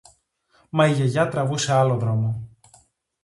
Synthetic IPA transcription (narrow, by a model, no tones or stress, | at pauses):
mɐiʝe̞ʝɐt̪ɾɐvuse̞ɐloðɾo̞mo